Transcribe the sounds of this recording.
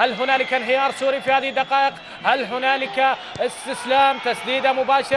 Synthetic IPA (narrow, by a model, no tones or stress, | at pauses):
halɦʊnaːlɪkanɦɪjɑːɾˤsuːɾifihaːðid̪ːɑqɑːʔɪq | halɦʊnaːlɪka | ɪst̪ɪslaːmt̪asd̪iːd̪amʊbaːʃ